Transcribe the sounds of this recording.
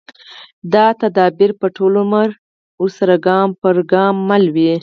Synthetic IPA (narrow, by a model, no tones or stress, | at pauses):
d̪ɑt̪ad̪ɑbɪɾpəʈʰolomaɾ | osaɾaɡɑmpəɾɡɑmːalwi